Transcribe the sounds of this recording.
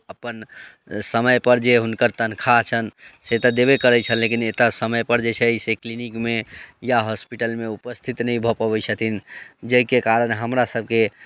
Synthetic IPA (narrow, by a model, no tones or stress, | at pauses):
əpən | səməjpəɾd͡ʒeɦunkəɾt̪ənkʰat͡ʃʰənset̪əd̪eβekəɾɛt͡ʃʰənlekinet̪asəməjpəɾd͡ʒet͡ʃʰɛiseklinikmejaɦɔspiʈəlmeupəst̪ʰit̪nəibʱɔpəβɛt͡ʃʰət̪ind͡ʒəɦkekaɾənɦəmɾasəb̚ʱke